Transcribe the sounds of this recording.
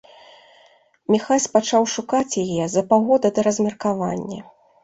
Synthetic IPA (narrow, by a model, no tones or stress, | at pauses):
mʲixasʲpat͡ʂawʂukat͡sʲjajɛzɐpaɣɔd̪ɐd̪ɐɾɐzʲmʲɐrkava̰nʲːɐ